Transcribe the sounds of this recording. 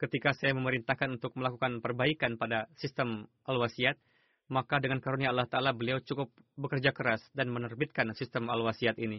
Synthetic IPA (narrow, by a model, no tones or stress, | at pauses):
kət̪ikasajaməməɾint̪ahkanunt̪ʊk̚məlakukanpərbaikanpadasist̪əmʔalwasiat̪̚ | makadəŋankaɾuniaːlːaht̪aːlabəliawt͡ʃukʊp̚bəkərd͡ʒakəɾasdanmənərbit̪̚kansist̪əmalwasiat̪ini